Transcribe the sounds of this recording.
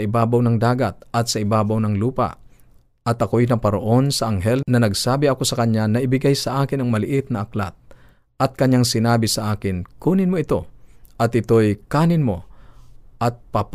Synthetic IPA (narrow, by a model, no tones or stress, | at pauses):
ɐʔɪbaːbawnɐŋd̪aːɡat̪̚ʔɐt̪sɐʔɪbaːbawnɐŋluːpa̰ʔ | ʔɐt̪ʔɐko̞jnɐpɐɾɐʔo̞nsɐʔɐŋɦɛlnɐnɐɡsaːbɪɐko̞sɐkɐɲanɐʔɪbɪɡajsɐʔaːkɪnɐŋmɐlɪʔɪt̪̚nɐʔɐkla̰t̪̚ | ʔɐt̪̚kɐɲːaŋsɪnaːbɪsɐʔaːkɪnkuːnɪnmoɪt̪o̞ʔɐt̪ʔɪt̪o̞jkaːnɪnmo̞ | ʔɐt̪̚pap